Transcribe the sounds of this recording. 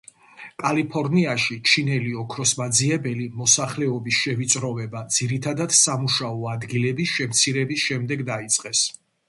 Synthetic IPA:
kʼalipʰɔɾniaʃit͡ʃʰinɛliɔkʰɾɔsmad̪ziɛbɛlimɔsaχlɛɔbisʃɛvit̪sʼɾɔvɛbad̪z̥iɾit̪ʰad̪ad̪̥samuʃaɔad̪ɡilɛbisʃɛmt̪sʰiɾɛbisʃɛmd̪ɛɡd̪ait̪sʼqʼɛs

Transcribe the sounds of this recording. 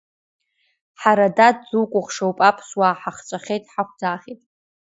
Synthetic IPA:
ħaɾadadd͡zukʷʼʊχʂowpʼapʰswaħaχt͡ʃʷʼaχʲejtʼħakʷʰd͡zaːχʲitʼ

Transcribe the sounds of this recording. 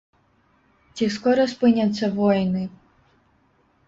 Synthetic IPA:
t͡sʲiskɔɾɔspɪnʲɐsʲːɐʋɔjnɪ

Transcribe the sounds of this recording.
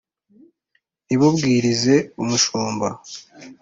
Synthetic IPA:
iβubɡiːɾize̞umuʃuːmba

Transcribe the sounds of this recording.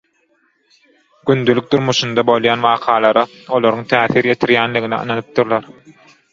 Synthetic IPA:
ɡ̥ynd̪ylyk̚d̪uɾmuʃund̪ɑbo̞lˠjɑːnwɑːqʰɑːlˠɑɾɑ | o̞lˠoɾuŋt̪ʰæːθiːɾje̞t̪ʰiɾjæːnliɣiniɯ̰nɑnɯp̚t̪uɾlˠɑɾ

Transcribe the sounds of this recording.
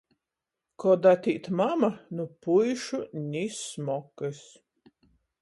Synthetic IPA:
kɔd̪at̪ʲiːt̪mamanupujʃunʲismɔkɨs

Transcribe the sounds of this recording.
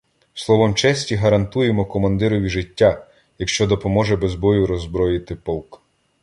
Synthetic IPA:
slˠɔʋɔmt͡ʃɛsʲtʲiɦɐɾɐnt̪ujemɔkɔmɐnd̪ɪɾɔʋʲiʒɪtʲːa | jɐkʃt͡ʃɔd̪ɔpɔmɔʒɛbɛzbɔjʊɾɔzbɾɔjɪt̪ɪpɔlˠk

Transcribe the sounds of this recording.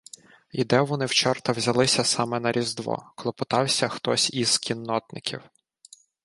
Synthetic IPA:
id̪ɛʋɔnɪwt͡ʃɔrt̪ɐwzʲɐlˠɪsʲɐsɑmɛnɐɾʲʔizd̪ʋɔ̰kɔlˠɔpʊt̪ɑwsʲɐxt̪ɔsʲiz̥kʲinːɔt̪̚nɪ̰kʲʰḭw

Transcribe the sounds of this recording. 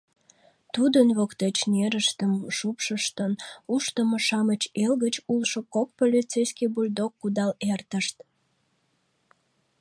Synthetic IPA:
t̪ud̪ənβokt̪et͡ɕneɾəʃt̪əmʃupʃəʃt̪ənuʃt̪əmoʃɑmət͡ɕelɣət͡ɕulʃokok̚polʲit͡sejskibulʲd̪okːud̪ɑlert̪əʃt̪

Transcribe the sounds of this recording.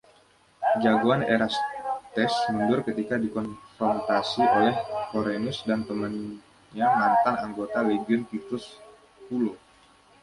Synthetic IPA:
d͡ʒaɡuaneɾast̪ɛsmuɲd͡ʒʊrkət̪ikadikɔnfɾɔnt̪asiʔolɛhkoɾenʊsdant̪əmən | ɲaŋant̪anaŋɡot̪aleɡiʊnk̪it̪ʊs | hulo

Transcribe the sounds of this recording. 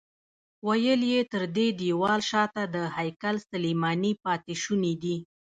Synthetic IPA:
wajəljet̪əɾd̪ed̪iwɑlʃɑt̪ad̪əhajkalsalemɑnipɑt̪ɪʃunid̪i

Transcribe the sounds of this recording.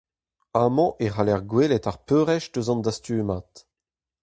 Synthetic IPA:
amɑ̃ʔeʁalɛʁɡwelɛtaʁpøːʁɛʃdøzɑ̃nd̪ast̪yːmaːt̪

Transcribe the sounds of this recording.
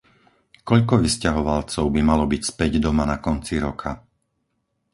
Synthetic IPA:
kɔʎkɔʋiscaɦɔʋalt͡sɔʊbimalɔbicspɛɟd̪ɔmanakɔnt͡siɾɔkʰa

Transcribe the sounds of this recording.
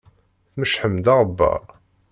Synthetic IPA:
θməʃħəmd̪ɑʁˤəbːæ̰

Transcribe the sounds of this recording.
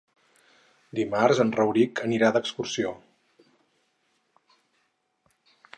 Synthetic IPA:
d̪imarzənrəwɾikəniɾad̪əkskursio

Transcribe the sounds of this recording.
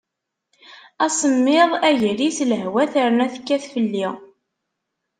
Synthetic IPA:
æsəmːɪðˤæʝɾisləɦwæθəɾnæθə̥kːæθfəlːi

